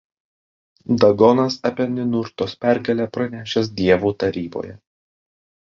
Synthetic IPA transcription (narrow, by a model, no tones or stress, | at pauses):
d̪ɐɡɔnɐsɐpʲɛnʲɪnʊɾt̪oːspʲæɾʲɡʲɐlʲæːpɾɐnʲæːʃʲɛs̬d̪ʲiɛʋuːt̪ɐɾʲiːbo̰ːjɛ